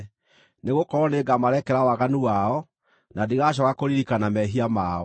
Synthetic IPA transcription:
neɣokɔɾɔneɡamaɾɛkɛɾawaɣanuwaɔ | nadiɣaɕ̬ɔɣakoɾiɾikanamɛɦiamaːɔ

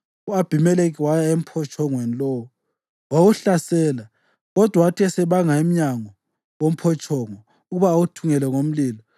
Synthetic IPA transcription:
uab̥ʱimɛlek̬iwajaem̩pʰɔt͡ʃʼɔŋwenilɔwu | wawuɬasɛːla | ɣɔd̥ʱwatʰiɛsɛβaŋaim̩ɲaŋɔ | wom̩pʰɔt͡ʃʰʼɔŋɔ | uɣuβaːwutʰuŋɛlɛŋom̩liːlɔ

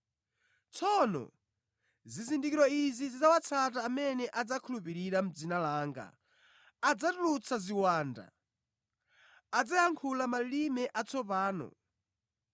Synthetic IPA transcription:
t͡sʰɔnɔ̰ | zizindikiɾɔizizid͡zawat͡sʰataːmɛnɛʔad͡zakʰulupiɾiɾam̩d͡zinalaːŋɡa̰ː | d͡zatulut͡sʰaziwaːnda̰ | ad͡zajaŋkʰulamalimɛʔat͡sɔpaːnɔ̰

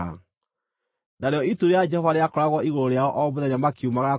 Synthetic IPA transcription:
a̰ | naɾeɔituɾead͡ʒɛhɔvaɾeakɔɾaɣwɔiɣoɾoɾeaɔʔɔβoðɛɲamakeumaɣa

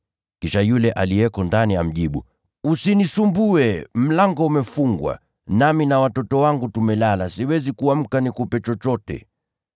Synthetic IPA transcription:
kiʃajulɛʔa̰lijɛkɔndanijam̩ʄiɓṵ | usinisumbuɛm̩laŋɡɔumɛfuŋɡwa̰ | naminawatɔtɔwaŋɡutumɛlalasiwɛzikuwam̩kanikupɛt͡ʃɔt͡ʃɔtɛ̰

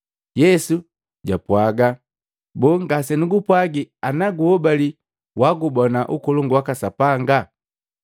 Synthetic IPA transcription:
jɛsu | ɟapwaɡa | bɔŋɡasɛnuɡupwaɡianaɡuhɔbali | waɡubɔnaʔukɔlɔŋɡuwakasapaŋɡa

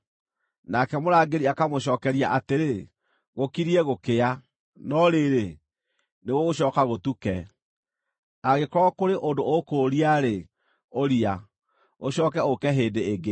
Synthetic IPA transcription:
nakɛmoɾaːɡeɾiakamoɕɔːkɛɾiaʔateɾe | ɣokiɾiɛɣokea | nɔɾeɾe | neɣɔoɕɔːkaɣotukɛ | aɣekɔɾɔkoɾeʔondookoɾiaɾe | oɾia | oɕɔːkɛokɛɦeːndeːɡe

